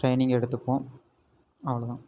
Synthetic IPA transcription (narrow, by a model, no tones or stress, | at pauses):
ʈrejniŋɡeɽut̪ːɐpːoː | ɐʋɐɭɐðaː